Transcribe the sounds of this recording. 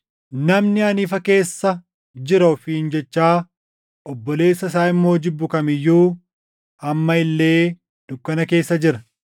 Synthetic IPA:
nɐmnɪɐniːfɐke̞ːsːɐ | d͡ʒɪɾɐfɪɪnd͡ʒɛt͡ʃːaː | ʔɔbːɔle̞ːsːɐs̬aːɪmːo̞ːd͡ʒɪbːʊkɐmɪjːuː | ɐmːɐɪlːe̞ː | d̪̥ʊkːɐnɐke̞ːsːɐd͡ʒɪɾɐ

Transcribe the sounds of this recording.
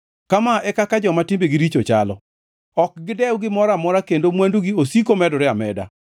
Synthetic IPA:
kamaʔɛkakad͡ʒɔmatɪmbeɡiɾit͡ʃot͡ʃalɔ̰ | ɔk̚ɡɪdɛwɡɪmɔɾamɔɾakendomwanduɡiosikomɛdɔɾɪamɛda̰

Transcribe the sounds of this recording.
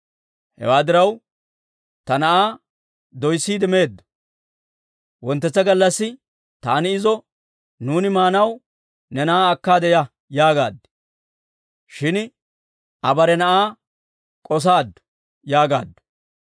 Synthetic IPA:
hɛ̰waːd̪ɪɾɐw | t̪ɐnɐʔaː | d̪ɔjsːiːd̪ɛme̞ːd̪ːɔ̥ | wɔnt̪ːɛt͡sːɐɡɐlːɐsːɪ | t̪aːnɪɪzɔ | nuːnɪmaːnɐw | nɛnɐʔaːkːaːd̪ɛjɐ | jaːɡaːd̪ː | ʃɪn | ʔɐbɐɾɛnɐʔaː | kʼɔs̬aːd̪ːʊ̥ | jaːɡa̰ːd̪ːɔ̥

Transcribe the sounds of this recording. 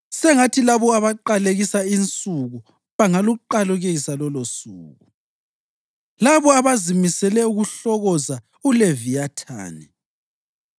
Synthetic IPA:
sɛŋatʰilaβɔaβaǃaleɣisaint͡sʼuɣu | βaŋaluǃaluɣeɣisalɔlosṵːɣu | laβɔaβazimisɛlɛuɣuɬɔɣɔza | ulevijatʰa̰ːnɛ

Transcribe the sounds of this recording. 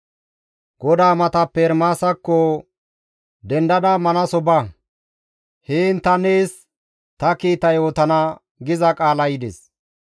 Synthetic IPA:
ɡɔd̪aːmɐt̪ɐpːɛɾmaːsɐkːɔ | d̪ɛnd̪ɐd̪ɐmɐnɐsɔbɐ | heːnt̪ːɐneːs | t̪ɐkiːt̪ɐjo̞ːt̪ɐnɐ | ɡɪzɐkʼaːlɐjɪd̪ɛs

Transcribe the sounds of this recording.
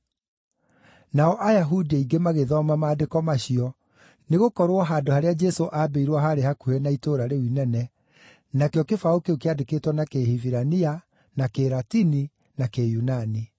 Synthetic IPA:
naɔʔajaɦudiiɡemaɣeðɔmamaːdekɔmaɕiɔ | neɣokɔɾwɔɦaːdohaɾead͡ʒɛsoʔaːbeiɾwaɦaɾehakuenaitoɾaɾewinɛnɛ | nakeɔkefaokeokeadeketwɔnakehiviɾania | nakeɾatini | nakejunani

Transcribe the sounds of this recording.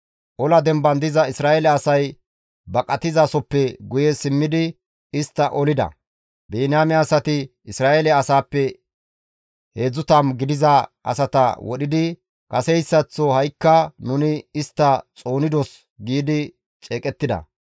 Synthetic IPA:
ʔɔlɐd̪ɛmbɐnd̪ɪzɐɪsɾaːʔɛlɛɐsɐj | bɐkʼɐt̪ɪzasɔpːɛɡʊjɛsɪmːɪd̪ɪ | ɪst̪ːɐʔɔlɪd̪ɐ̰ | beːnaːmːsɐt̪ɪɪsɾaːelɛɐsaːpːɛ | he̞ːd͡zːʊt̪ɐmɡɪd̪ɪzɐʔɐ̰sɐt̪ɐ̰wɔɗɪd̪ɪ | kʼɐsɛjsːɐt͡sːɔhɐjkːɐnʊnɪɪst̪ːɐt͡sʼo̞ːnɪd̪ɔs | ɡiːd̪ɪ | t͡ʃʼeːkʼɛt̪ːɪd̪ɐ̰

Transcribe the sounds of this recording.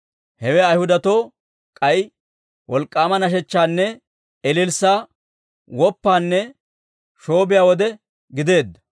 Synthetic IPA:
hɛwɛɐjhʊd̪ɐt̪o̞ː | kʼɐj | wɔlkʼːaːmɐnɐʃ̬ɛt͡ʃːaːnːɛ | ɛlɪlsaː | wɔpːaːnːɛ | ʃo̞ːbɪjaːwɔd̪ɛ | ɡɪd̪e̞ːd̪ːɐ̥

